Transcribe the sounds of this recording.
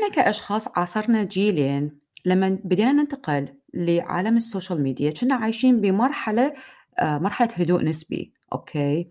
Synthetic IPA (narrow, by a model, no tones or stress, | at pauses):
ʔɪnakaʔɑʃxɑːsˤʕɑːsˤɑɾˤnad͡ʒiːleːn | lamːabɪd̪iːnanɪnt̪aqɪlː | ɪʕa̰ːlamɪsːoːʃalmiːd̪ijat͡ʃɪnːaʕaːjʃiːnbimɑɾˤħala | mɑɾˤħalahʊd̪uːʔnɪsbḭ | ʔo̰ːkʰeː